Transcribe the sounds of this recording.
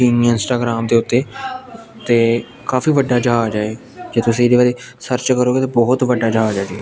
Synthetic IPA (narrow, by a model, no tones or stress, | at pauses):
iːniãɪ̃nsʈaːɡɾaːmd̪eːʊt̪ːeː | t̪eː | kaːfiːʋəɖːaːd͡ʒaɦaːd͡ʒaːe | d͡ʒeːt̪ʊsĩːd̪eːʋaːɾeːsəɾt͡ʃkəɾoːɡeːt̪ebɔːʊt̪ʋəɖːaːd͡ʒaːaːd͡ʒaːiɛ